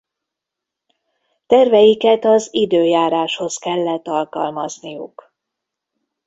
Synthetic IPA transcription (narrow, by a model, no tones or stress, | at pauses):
t̪ɛrvɛjikɛt̪ɒzid̪øːjaːɾaːʃho̞skɛlːɛt̪ːɒlkɒ̰lmɒznijuk